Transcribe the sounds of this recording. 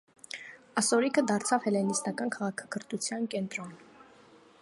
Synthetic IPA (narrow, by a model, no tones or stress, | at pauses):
ɑsɔɾikʰəd̪ɑɾt͡sʰɑvhɛlɛnist̪ɑkɑnkʰɑʁɑkʰɑ̥kʰəɾt̪ut͡sʰjɑnkɛnt̪ɾɔn